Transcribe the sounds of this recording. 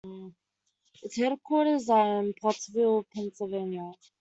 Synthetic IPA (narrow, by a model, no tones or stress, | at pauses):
ɪtshɛɾkʰwɔɹɾəzãnpʰɔsvilˠpʰɛ̃nsəlˠvẽɪnjə